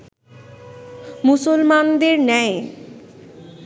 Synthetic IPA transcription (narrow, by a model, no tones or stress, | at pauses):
musolmand̪eɾnɛe